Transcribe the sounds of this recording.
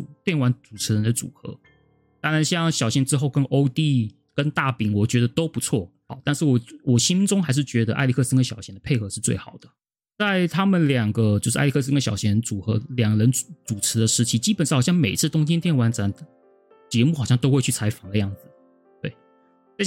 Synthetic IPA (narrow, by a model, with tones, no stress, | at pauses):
u˨˩t̪jɛ˥˩nwa˧˥nt͡su˨˩ʈ͡ʂʰɻ̩˧˥ɻə˧˦nd̪ə˧t͡sṵ˨˩xɤ̰˧˥ | t̪ɑ˥ŋɻa˧˦nɕjɑ˥˧ŋɕjɑ˨˩ʊɕɛ˧˥nʈ͡ʂɻ̩˥xo˥˩ʊkə˥nʔo˥ʊt̪i˥˧ | kə˥nt̪a˥˩pi˨˩ŋwɔ˨˩t͡ɕɥɛ˧˥d̪ə˧t̪o˥ʊpu˧˥t͡sʰwɔ˥˩xɑ˧˦t̪a˥˧nʂɻ̩˥˩wɔ˨˩wɔ˨˩ɕi˥nʈ͡ʂʊ˥ŋxa˧ɪʂɻ̩˥˩t͡ɕɥɛ˧˥d̪ə˧ʔa̰˥ɪli˧˥kʰɤ˥˧sə˥ŋɡə˧ɕjɑ˨˩ʊɕjɛ˧˥nd̪ə˧pʰe˥˩ɪxɤ˧˥˦ʂɻ̩˥˧t͡swe˥˩ɪxɑ˨˩ʊd̪̥ə˦ | t͡sa˥˧ɪt̪ʰa˥mə˨nljɑ˨˩ŋɡə˦t͡ɕjo˥˧ʂɻ̩̰˧˥ɪi˧kʰɤ˥˧sə˥ŋɡə˧˩ɕjɑ˨˩ʊɕjɛ˧˥˧ə˧nt͡su˨˩xɤ̰˧˥ljɑ˨˩ŋɡɻə˧˥nt͡su˨˩ʈ͡ʂʰɻ̩˧˥d̪ə˧ʂɻ̩˧˥t͡ɕʰi˧˥t͡ɕi˥pə˨nʂxjɑ˥˩ŋme˨˩ɪt͡sʰɹ̩˥˩t̪ʊ˥ŋt͡ɕɛ˥nt̪jɛ˥˩nwa˧˥nt͡sa˧˥n | t͡ɕjɛ˧˥mu˥˩xɑ˨˩ʊɕjɑ˥˧ŋt̪o˥ʊxwe˥˧y˥˩t͡sʰa˧˥ɪfɑ˨˩˦ŋd̪ə˦jɑ˥˩ŋd͡zɹ̩˨˩ | t̪we˥˩ɪ | a˥˧